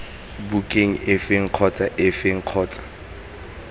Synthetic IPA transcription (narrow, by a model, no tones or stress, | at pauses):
bukʼeŋ̩ɪfeŋ̩q͡χʰɔt͡sʼaʔɪfeŋ̩q͡χʰɔːt͡sʼḁ